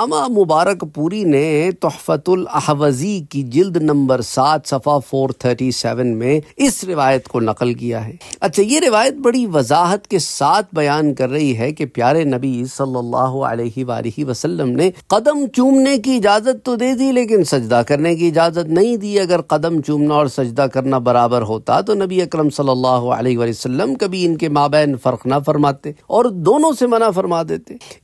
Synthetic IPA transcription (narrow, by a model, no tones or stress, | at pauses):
ɐmamʊbaːɾəkpuːɾinet̪ʊhfət̪ʊlɐhʋəzikid͡ʒɪld̪nɐ̃mbəɾsaːt̪ʰsɐfafoːɾt̪ʰəːɾʈisɛːʋənmẽɪsɾɪʋaːjət̪konɐqəlkija̰ɦɛːɐtːʃʰajeɾɪʋaːjət̪̚bɐɽiʋɐzaːɦət̪kesaːt̪ʰbɐjaːnkɐɾːɐɦiɦɛkepjaːɾenɐbisɐlːɐlːa̰ːɦʊə̰lɛːɦiʋa̰ːlɪɦiʋɐsɐlːəmneqɐd̪əmt͡ʃũːmnekiɪd͡ʒaːzət̪ːod̪eːd̪ileːk̬ɪnsɐd͡ʒd̪akɐɾnek̬iɪd͡ʒaːzət̪nɐɦĩd̪iɐɡəɾqɐd̪əmt͡ʃũːmnaɔːɾsɐd͡ʒd̪akɐɾnabɐɾaːbəɾɦoːt̪a̰t̪onɐbiɐkɾəmsɐlːəlːaːɦoə̰leːɦʋaːliosɐlːəmkɐbʱiɪnkemaːbɛːnfɐɾqnɐfɐɾmaːt̪eːɔːɾd̪oːnõsemɐnafɐɾmaːd̪eːt̪eː